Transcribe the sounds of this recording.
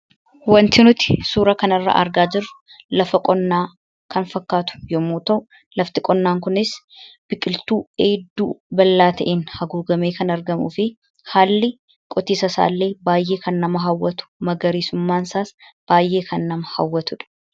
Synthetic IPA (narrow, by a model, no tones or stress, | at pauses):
wɐnt̪ɪnʊt̪ɪ̥suːɾɐkɐnɐrːa̰ːʔɐ̰ɾɡaːd͡ʒɪrːʊ | lɐfɐkʼɔnːaː | kɐnfɐkːaːt̪ʊ̥jɔmuːt̪ɐʔʊ | lɐft̪ɪkʼɔnːaːŋkʊnɪs | b̥ɪkʼɪlt̪uːeːd̪ːṵːbɐlːaːt̪ɐʔeːnhɐɡuːɡɐmeːkɐnɐɾɡɐmṵːfɪ | haːlːɪ | kʼɔt̪iːsɐsa̰ːlːeːbaːjʔe̞ːkɐnːɐmɐɦɐwːɐt̪ʊ̥mɐɡɐɾiːsʊmːaːnsaːsb̥aːjʔe̞ːkʰɐnːɐmɐhɐwːɐt̪ʊᶑɐ̥